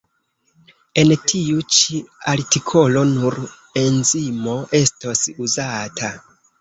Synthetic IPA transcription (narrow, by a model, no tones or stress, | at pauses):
e̞ntʰiut͡ʃiaɾtikʰo̞lo̞nuɾ | e̞nzimo̞ʔe̞stosuzatʰa